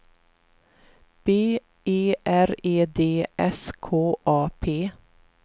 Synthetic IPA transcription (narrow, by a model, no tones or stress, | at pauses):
b̥eː | eːʔæɾeːd̪eːʔɛskʰoːʔɑːpʰeː